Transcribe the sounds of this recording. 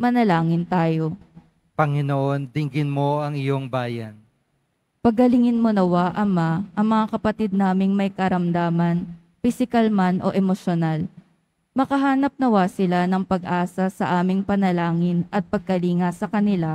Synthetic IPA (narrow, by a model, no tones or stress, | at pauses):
mɐnɐlaːŋɪnt̪aːjo̞ | pɐŋɪnoʔond̪ɪŋɡɪnmo̞ɐŋɪjo̞ŋbaːjɐn | pɐɡkɐlɪŋɪnmonɐwaʔɐmaʔɐŋmɐŋakɐpɐt̪id̪̚naːmɪŋmɐjkɐɾɐmd̪aːmɐn | fɪsɪkɐlmanʔo̞̰ʔɛmoʃonal | mɐkɐɦaːnɐp̚nɐwasɪlanɐŋpɐɡʔaːsɐsɐʔaːmɪŋpɐnɐlaːŋɪnʔɐt̪̚pɐɡ̚kɐliːŋɐsɐkɐnɪla